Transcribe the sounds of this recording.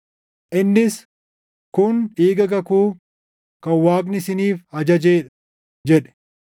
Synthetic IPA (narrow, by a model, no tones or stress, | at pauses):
ʔɪnːɪs | kʊniːɡɐɡɐkuː | kɐwaːk̬nɪsɪniːfhɐd͡ʒɐd͡ʒeːᶑɐ̥ | d͡ʒɛᶑɛ̥